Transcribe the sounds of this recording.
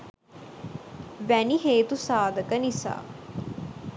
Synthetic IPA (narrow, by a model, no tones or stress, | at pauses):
ʋæniɦeːt̪usaːd̪ʱəkənisa̰ː